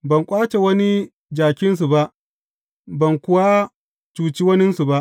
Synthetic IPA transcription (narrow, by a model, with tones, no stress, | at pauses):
bɐ˨ŋkʷʼaː˦t͡ʃe˨wɐ˦ni˦ | d͡ʒaː˨kʲɪ˦ns̬u˨ba˦ʔ | bɐ˨ŋkʷʊ˦wa˦ | t͡ʃuː˨t͡ʃiː˦wɐ˦nɪ˦nsu˨ba˦ʔ